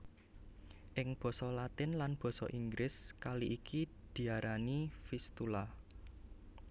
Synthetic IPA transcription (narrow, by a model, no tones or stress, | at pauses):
ʔɪŋb̥ɔ̤sɔlat̪ɪnlanb̥ɔ̤sɔ̰ʔiŋɡɾɪskaliʔikʰid̪̥i̤aɾʔanifist̪ula